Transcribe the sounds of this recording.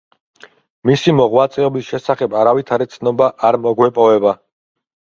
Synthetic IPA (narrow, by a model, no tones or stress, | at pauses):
misimɔʁwat̪sʼɛɔbisʃɛsaχɛbaɾavit̪ʰaɾit̪sʰnɔbaʔaɾmɔɡwɛpʼɔvɛba